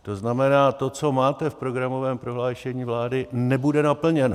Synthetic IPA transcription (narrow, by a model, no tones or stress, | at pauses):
t̪o̞znamɛnaːt̪o̞t͡so̞maːt̪ɛfpɾo̞ɡɾamo̞vɛːmpɾo̞ɦlaːʃɛɲiːvlaːdɪnɛbudɛnapl̩ɲɛno